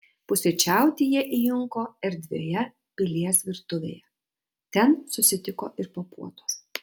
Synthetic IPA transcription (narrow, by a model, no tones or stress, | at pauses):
pʊsʲɪt͡ʃʲæˑʊt̪ʲijiɛʔijʊŋkoːɪɾʲd̪ʲʋʲoːjɛ | pʲɪlʲiɛsʋʲɪɾt̪ʊʋʲḛːjɛ | t̪ʲɛnsʊsʲɪt̪ʲɪko̰ːʔɪɾpoːpṵɔt̪oɔs